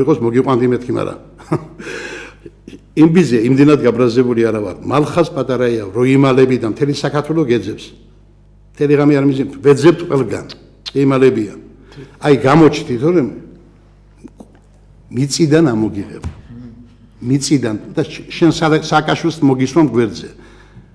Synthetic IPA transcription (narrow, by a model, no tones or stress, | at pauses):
iqʼɔsmɔɡiqʼwand̪imɛt̪̚ʰkʰima̰ɾa̰ | imbiziaimd̪ɛnad̪ɡabɾazɛbuliaɾava̰ɾmalχaspʼat̪ʼaɾaiavɾɔimalɛbid̪amt̪ʰɛlisakʰaɾt̪ʰwɛlɔɡɛd̪zɛps | mt̪ʰɛliʁamɛaɾmizimʰvɛd̪zɛpt̪ʰqʼwɛlˠɡa̰nʼ | iimalɛbia | ajɡamɔt͡ʃʰt̪ʰit̪ʰɔɾɛ | mit̪sʼid̪anamɔɡiʁɛ̰b | mit̪sʼid̪and̪aʃɛnsasaːkʼaʃwilsmɔɡiswamɡwɛɾd̪zɛ